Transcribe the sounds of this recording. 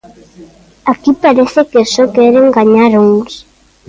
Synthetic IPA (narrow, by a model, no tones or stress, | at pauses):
akipaɾeθekesɔkɛɾeŋɡaɲaɾuŋs